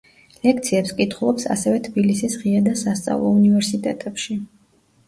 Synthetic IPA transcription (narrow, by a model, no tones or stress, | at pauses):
lɛk̚ʰt̪sʰiɛpskʼit̪ʰχulˠɔpsa̰sɛvɛt̪ʰbilisisʁiad̪asast̪sʼa̰vlˠɔ̰univɛɾsit̪ʼɛ̰t̪ʼɛpʃi